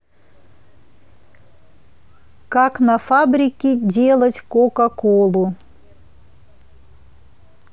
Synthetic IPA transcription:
kaknɐfabɾʲɪkʲɪdʲelˠətʲkokɐkolˠʊ

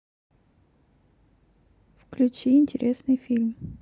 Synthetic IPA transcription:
fklʲʉt͡ɕiɪnʲtʲɪɾʲʔesnɨjfʲilʲm

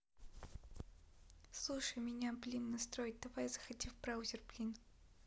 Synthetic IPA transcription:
slˠuʂəjmʲɪnʲaplʲimnɐst̪ɾojɪt̚ʲd̪ɐvajzəxɐtʲifbɾawʊzʲɪrplʲin

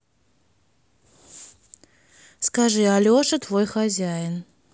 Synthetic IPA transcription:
skaʐɨɐlʲoʂɨt̪vojxɐzʲæjɪn

